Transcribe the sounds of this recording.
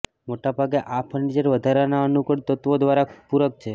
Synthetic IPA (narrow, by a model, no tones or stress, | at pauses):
moʈabʱaɡeʔapʰəɳɖid͡ʒəɾʋəd̪ʱaɾanaənukəɽt̪ət̪ʋod̪ʋaɾapuɾək̚t͡ʃʰe